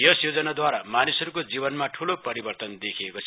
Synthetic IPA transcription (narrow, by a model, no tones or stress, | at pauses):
jʌsjod͡zʌnad̪waɾamanisʌɾukod͡zibʌnmaʈʰulopʌɾibʌrt̪ʌnd̪ekʰijekot͡sʰ